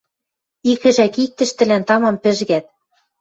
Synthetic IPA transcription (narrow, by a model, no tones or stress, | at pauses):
ikɘ̆ʒækik̚t̪ɘ̆ʃt̪ɘ̆lænt̪ɑmɑmpɘ̆ʒɣæt̪̚